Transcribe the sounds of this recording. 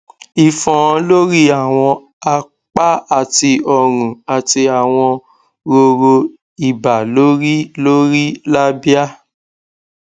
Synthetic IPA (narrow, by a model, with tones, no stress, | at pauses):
i˨fɔ̃˨˧lo˦ɾi˦a˦˨w̃ɔ̃˧ | a˧ | k͡pa˦a˦˨ti˧ɔ˦˨ɾ̃ũ˨a˨ti˧a˨w̃ɔ̃˧ | ɾo˧ɾo˧ | i˨ba˨lo˦ɾi˦lo˦ɾi˦la˦bi˦a˦